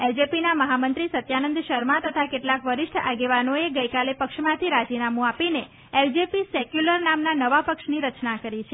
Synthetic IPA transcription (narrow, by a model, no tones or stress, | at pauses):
ɛld͡ʒepinaməɦamənt̪ɾisət̪janənd̪ʃəɾmãt̪ət̪ʰakeʈlakʋəɾɪʃʈʰa̰ɡeʋanoeɡəjkalepəkʃmãt̪ʰiɾad͡ʒinamũapine | ɛld͡ʒepisekjuləɾnamnanəʋapəkʃniɾət͡ʃnakəɾit͡ʃʰe